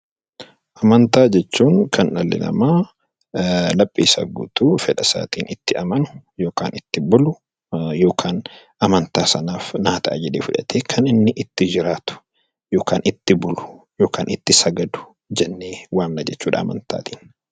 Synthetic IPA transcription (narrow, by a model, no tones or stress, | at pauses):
ʔɐmɐnt̪aːd͡ʒɛt͡ʃːuːŋkʰɐnɐlːɪ̰lɐ̰maː | lɐpʼːiːsɐ̰ɡʊ̰ːt̪uːfɛᶑɐsa̰ːt̪iːnɪt̪ːɪɐmɐnʊ̥jo̞ːka̰ːnɪt̪ːɪbʊlʊ | jo̞ːkʰaːn | ʔɐmɐnt̪aːsɐnaːfnaːt̪ɐʔɐ̰d͡ʒɛᶑeːfʊᶑɐ̰t̪ʰeːkʰɐnɪnːɪʔɪt̪ːɪd͡ʒɪɾaːt̪ʊ̥ | jo̞ːkaːnɪt̪ːɪbʊlʊ̥ | jo̞ːkaːnʔɪt̪ːɪsɐɡɐd̪ʊ̥ | d͡ʒɛnːeːwaːmnɐd͡ʒɛt͡ʃːuːᶑɐ̰ːmɐ̰nt̪a̰ːt̪iːn